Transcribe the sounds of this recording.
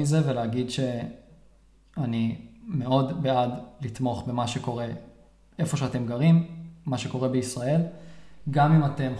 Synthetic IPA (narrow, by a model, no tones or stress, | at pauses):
izeveleaɡidʃe̞ | anime̞o̞dbeadlitmo̞χbe̞maʃe̞ko̞ʁe̞ | e̞fo̞ʃeate̞mɡaʁimːaʃeko̞ʁe̞beisʁae̞lɡamimate̞m